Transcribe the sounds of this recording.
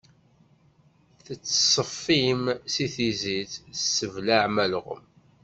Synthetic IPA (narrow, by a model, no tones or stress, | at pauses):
θət͡sːə̥sˤəfːimsiθiziθəsːəvlaʕmælʁə̰m